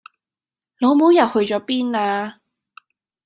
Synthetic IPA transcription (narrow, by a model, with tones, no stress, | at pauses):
lo˨˧wmo˨˥wjɐ˨˩whɵ˧ɥt͡ʃɔː˨˥piː˥naː˧